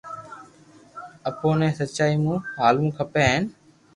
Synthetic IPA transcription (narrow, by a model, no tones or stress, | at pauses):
əpoːnẽːsətːt͡ʃaːiːmũːɦaːlũːkʰəpeːɦeːn